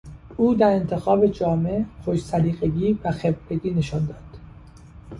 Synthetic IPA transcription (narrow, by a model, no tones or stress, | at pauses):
ʔuːd̪æɾe̞nt̪ʰe̞xɒːbe̞d͡ʒɒːmexoʃsæɾiːɣeɡiːvæxebɾeɡiːneʃɒnd̪ɒːd̪̥